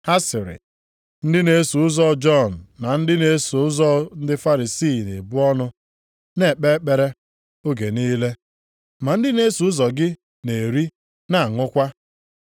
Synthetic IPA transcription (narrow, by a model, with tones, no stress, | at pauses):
ha˦sɪ˨ɾɪ̰˨ | n̩˦dɪ˦ne˦su˨ʊ˦zɔ˦d͡ʒɔ˦˨n̩˨na˨n̩˦dɪ˦ne˨˦su˨ʊ˦zɔ˦n̩˦dɪ˦fa˦ɾi˨siː˦˨nḛ˨bʊ˦ɔ˦nʊ˦ | ne˦˨k͡pe˦k͡pe˨ɾe˦ | o˦ɡe˨niː˦le˦ | ma˨n̩˦dɪ˦ne˦su˨ʊ˦zɔ˨ɡɪ˦ | ne˨ɾi˦ | na˨ŋʊ˦kʷa˦